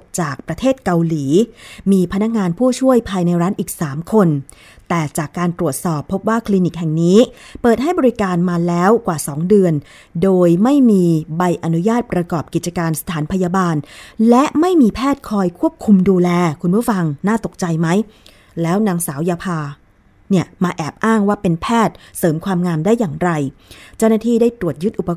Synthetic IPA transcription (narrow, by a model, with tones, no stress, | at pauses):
t͡ɕaː˨˩k̚pɾa˧t̪ʰeː˥˩t̪̚ka˧wliː˩˦miː˧pʰa˧na˦˥k̚ŋaː˧npʰuː˥˩t͡ɕʰu˥˩əjpʰaː˧jna˧jɾaː˦˥nʔiː˨˩k̚saː˩˦mkʰo˧n | t̪ɛː˨˩t͡ɕaː˨˩kːaː˧nt̪ɾu˨˩ət̪̚sɔː˨˩pʰːo˦˥p̚waː˥˩kʰli˧ni˨˩k̚hɛ˨˩ŋniː˦˥pɤː˨˩t̪̚ha˥˩jbɔː˧ɾi˦˥kaː˧nmaː˧lɛː˦˥wkwaː˨˩sɔː˩˦ŋdɯ˧ən | doː˧jma˥˩jmiː˧ba˧jʔa˧nu˦˥jaː˥˩t̪̚pɾa˧kɔː˨˩p̚ki˨˩t̪̚t͡ɕa˧kaː˧nsḁ˧t̪ʰaː˩˦npʰa˧jaː˧baː˧nlɛ˦˥ʔma˥˩jmiː˧pʰɛː˥˩t̪̚kʰɔː˧jkʰu˥˩əp̚kʰu˧mduː˧lɛː˧kʰu˧npʰu˥˩fa˧ŋnaː˥˩t̪o˨˩k̚t͡ɕa˧jma˦˥j | lɛː˦˥wnaː˩˦ŋsaː˩˦wjaː˧pʰaː˧ | ni˥˩əmaː˧ʔɛː˨˩p̚ʔaː˥˩ŋwaː˥˩pe˧npʰɛː˥˩t̪̚sɤː˩˦mkʰwaː˧mŋaː˧mdaː˥˩jːaː˨˩ŋɾa˧jt͡ɕaː˥˩wnaː˥˩t̪ʰiː˥˩daː˥˩jt̪ɾu˨˩ət̪̚ju˦˥t̪̚ʔu˨˩pa˧